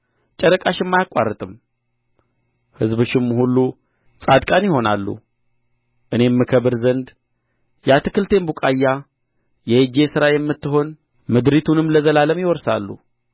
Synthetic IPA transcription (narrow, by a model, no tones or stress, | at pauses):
t͡ʃʼəɾəkʼaʃɪmːajakʼːa̰rːət̪ʼɨm | hɨzbɨʃɪmːhulːu | sʼad̪kʼanjɪho̞na̰lːṵ | ʔɨne̞mːɨkʰəβɨɾzənd̪ | jat̪ʰɨ̥kʰɨlt̪ʰe̞mbukʼajːa | jɛjɨd͡ʒe̞sɨɾajɛmːɨt̪ːɨɦo̞n | mɨd̪ɾit̪ʰunɨmləzəlaləmjɪwɔɾsa̰lːṵ